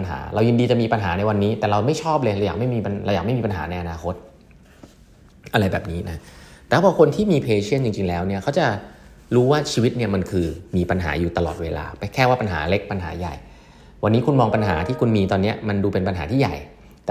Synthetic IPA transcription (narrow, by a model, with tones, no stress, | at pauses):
nɦa̰ː˩˦ɾʔa˧wji˧ndiː˧t͡ɕa˨˩miː˧pa˧nɦaː˩˦na˧jwa˧nːiː˦˥t̪ɛː˨˩ɾa˧wma˥˩jt͡ɕʰɔː˥˩plɤː˧jla˧wjaː˨˩kma˥˩jmiː˧pa˧nʔa˧waː˨˩k̚ma˥˩jmiː˧pa˧nɦaː˩˦na˧jʔa˧naː˧kʰo˦˥t̪̚ | ʔa˧ɾa˧jbɛː˨˩p̚niː˦˥na˦˥t̪ɛː˨˦˥bʰɔː˧kʰo˧nt̪ʰiː˥˩miː˧pʰeː˧t͡ɕʰi˦˥˩ənt͡ɕi˧ŋt͡ɕi˧ŋlɛː˦˥wni˥ɐkʰa˦˥wt͡ɕa˨˩ | ɾuː˦˥waː˥˩t͡ɕʰiː˧wi˦˥t̪̚ni˥˩ɐma˧nkʰɯː˧miː˧pa˧nɦa̰ː˩˦juː˨˩t̪a˧lɔː˨˩t̪̚weː˧la̰ː˧pa˧kʰɛː˥˩waː˥˩pa˧nɦa̰ː˩˦le˦˥k̚pa˧nɦa̰ː˩˦ja̰˨˩j | wa˧nːiː˦˥kʰu˧nmɔː˧ŋpa˧nɦaː˩˦t̪ʰiː˥˩kʰu˧nmiː˧t̪ɔː˧nːi˦˥ɐma˧nduː˧pe˧npa˧nɦaː˩˦t̪ʰiː˥˩ja̰˨˩j | t̪ɛː˨